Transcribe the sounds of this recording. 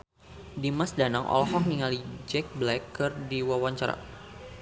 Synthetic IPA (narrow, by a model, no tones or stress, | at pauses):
dimasdanaŋʔɔ̰lɦɔk̚niŋalid͡ʒɛk̚blɛkːɨrdiwawaɲt͡ʃaɾa̰